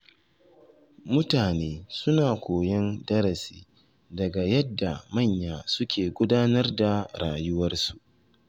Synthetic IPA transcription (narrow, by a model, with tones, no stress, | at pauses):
mʊ˦taː˨neː˦sʊ˦naː˨kʷoː˨jɐ˦ndɐ˦ɾɐ˨siː˦ | dɐ˨ɡa˨jɐ˦dːa˨mɐ˦˨ɲjaː˨sʊ˦kʲeː˨ɡʷʊ˦daː˦nɐ˦rda˨ɽaː˨jʊ˦wɐ˦rsu˨ʔ